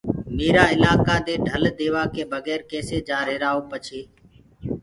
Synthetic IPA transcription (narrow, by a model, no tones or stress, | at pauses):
niːɾaːɪlaːkaːd̪eːɖʱəld̪eːʋaːkeːbʱəɡɛːɾkeːseːd͡ʒaːɾeɾaːoːpət͡ʃʰeː